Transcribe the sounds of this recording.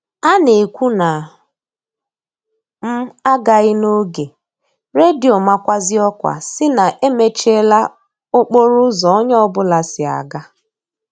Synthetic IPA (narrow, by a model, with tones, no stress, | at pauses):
a˦ne˨kʷu˦na˨ | m̩˦a˦ɡa˨ɣɪ˦no˦ɡe˨ | ɾe˦di˨o˨ma˦kʷa˦zɪ˦ɔ˦kʷa̰˨sɪ˦na˨ʔe˦me˦t͡ʃe˦la˦ | o˦k͡po˦ɾʊ˦zɔ˨˦ɲɔ˦bʊ˦la˨sɪ˨a̰˨ɡa˦